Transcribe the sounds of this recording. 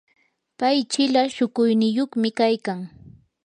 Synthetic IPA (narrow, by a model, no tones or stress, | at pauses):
pajt͡ʃɪlaʃʊkʊjnɪjoχmɪkajkaŋ